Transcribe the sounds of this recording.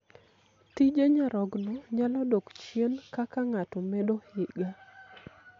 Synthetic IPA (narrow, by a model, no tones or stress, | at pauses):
tid͡ʒeɲaɾɔɡnɔɲalɔdokt͡ʃjenkakaŋatomɛdohɪɡa